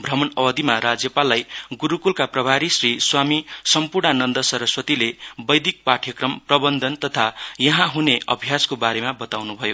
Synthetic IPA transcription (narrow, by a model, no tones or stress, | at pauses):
bʱrʌmʌnʌwʌd̪imaɾad͡zjʌpalːajɡuɾukulkaprʌbʱaɾisriswamisʌmpurnanʌnd̪ʌsʌɾʌswʌt̪ilebʌjd̪ik̚paʈʰjʌkrʌmprʌbʌnd̪ʱʌnt̪ʌt̪ʰajʌɦãɦuneʌbʱijaskobaɾemabʌt̪awnubʱʌjo